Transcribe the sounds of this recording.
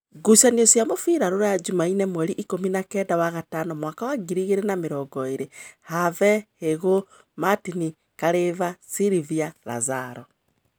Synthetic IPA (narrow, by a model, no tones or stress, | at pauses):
ɡusaniɔsjamofiɾaɾoɾajad͡ʒumainɛmwɛɾiʔikominakɛdawaɣatanɔmwakawaɡiɾiɣeɾenameɾɔɡɔeɾehavɛheɣo | matini | kaɾevasiɾiviaɾa̰zaɾɔ